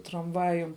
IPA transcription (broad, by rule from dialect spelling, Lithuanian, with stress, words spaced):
trɐmˈʋɑːjʊm